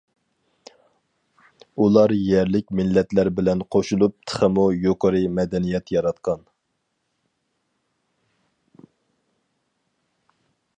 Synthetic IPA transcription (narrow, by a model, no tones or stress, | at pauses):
ulˠɑɾjɛɾlɪkʲmɪlːɛt̪læɾbɪlɛnqʰoʃulˠup̚t̪ʰə̥χəmujoqəɾɨmɛd̪ɛnijɛt̪jɑɾɑt̪qʰɑn